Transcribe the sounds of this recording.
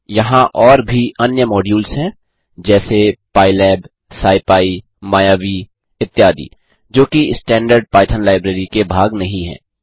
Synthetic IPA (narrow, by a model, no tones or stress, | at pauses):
jɐɦãʔɔːɾbʱiɐnjəmɔːɖjuːlsɦɛ̃ː | d͡ʒɛːsepaːɪlɛːb | saːɪpaːi | maːjaːʋi | ɪt̪ːjaːd̪ḭː | d͡ʒoːkiɪsʈɛ̃ːɳɖəɾɖ̚paːɪt̪ʰənlaːɪbɾeːɾikebʱaːɡnɐɦĩɦɛ̰̃ː